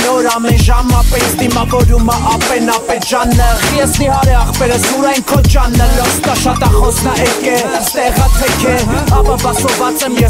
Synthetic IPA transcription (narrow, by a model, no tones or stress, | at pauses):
nɔɾɑmɛnʒɑmɑpɛisd̪imɑvɔɾuməʔɑpɛnɑpɛʒɑnːəjɛsnihɑɾɛɑχpɛɾəsuɾɑjnkʰɔt͡ʃɑnːəlɔskɑʃɑt̪ɑχɔsʰnɑʔɛkɛt̪ɛʁɑt͡sʰɛkʰɛɑvɑvɑsʰɔvɑt͡sɛmjɛ